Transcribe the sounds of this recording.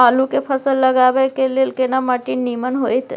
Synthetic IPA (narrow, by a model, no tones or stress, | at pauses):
alukepʰəsəlːəɡaʋejkelelkenamaʈinːimənɦojt̪